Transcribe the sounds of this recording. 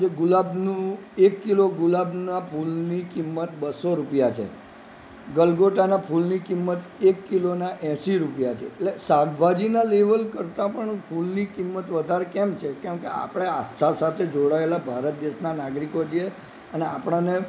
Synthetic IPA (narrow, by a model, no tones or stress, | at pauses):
d͡ʒeɡulabnũ | ekːiloɡulabnapʰulnikimːət̪bəsoɾupjat͡ʃʰḛ | ɡəlɡoʈanapʰulnikimːət̪ekːilonaʔɛ̃siɾupjat͡ʃʰeetlesaɡbʱad͡ʒinaleʋəlkəɾt̪ãpəɳpʰulnikimːət̪ʋəd̪ʱaɾekɛmt͡ʃʰekɛ̃mkea̰pəɽ̃ea̰st̪ʰasat̪ʰed͡ʒoɽaelabʱaɾət̪̚d̪eʃnanaɡɾikod͡ʒie | əneapɳ̃ane